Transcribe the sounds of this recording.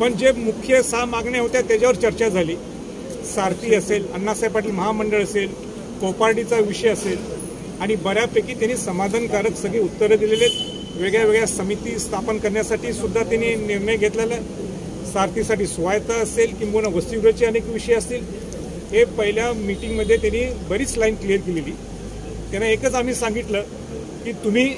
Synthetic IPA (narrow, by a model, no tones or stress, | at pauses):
pəɳd͡ʑemukʰjesamaɡɳeɦot̪jat̪jad͡ʑaʋəɾt͡ɕəɾt͡ɕad͡zʱaliː | saɾt̪iːəselənːasajpaʈiːlməɦaməɳɖəɭəsel | kopaɾɖit͡saʋiʂəjəsel | aɽ̃ibəɾjapekiːt̪janiːsəmad̪ʱankaɾəksəɡʱɭiːut̪ːəɾjəd̪ilelet̪ | ʋeɡɭjaʋeɡɭjasəmit̪iːst̪ʰapənkəɾɳjasaʈiːsud̪ʱːat̪aniːniɾɳəjɡʱet̪lala | saɾt̪ʰisaʈiːsʋajt̪aəselkĩŋɡunaʋəsiɡɾət͡ɕiənekʋiʂəjəsiːl | ɦepəɦiljamiʈiŋɡməd̪ʱːjet̪janiːbəɾiːt͡slainklijəɾkeleliː | t̪janːaekət͡sam̤iːsãŋɡit̪lə | kiːt̪um̤iː